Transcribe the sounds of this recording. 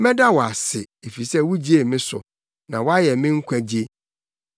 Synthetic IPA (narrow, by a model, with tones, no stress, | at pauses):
mɛ̃˦da˦wɔ˨a˨sɪ˨ | e˨fi˨sɛ˦wu˦d͡ʑi˦e˨mɪ̃˦sʊ̰˨ | nã˨wɔ˦a˦jɛ˨mɪ̃˦ŋ̩˦kʷʰæ˦d͡ʑi˦e˦